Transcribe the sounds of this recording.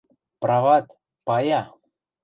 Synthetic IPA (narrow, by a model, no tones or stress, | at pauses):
pɾavat̪ | paja